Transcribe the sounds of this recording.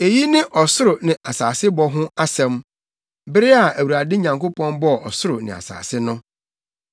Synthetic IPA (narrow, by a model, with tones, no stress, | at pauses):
e˨ji˦nɪ̃˦ʔɔ˨sʊ˦ɾʊ˨nɪ̃˨ʔa˨saː˨sɪ˦bɔ˦ɦʊ̃˦a˦sɛ̃˦m | bɪ˦ɾɪ˦a˨æ˨wu˨ɾa˨dɪ˦ɲã˨ŋko˦pʰɔ̃˦nbɔ˦˨ɔ˨sʊ˦ɾʊ˨nɪ̰̃˨a̰˨sa̰ː˨sɪ˦nʊ̃˦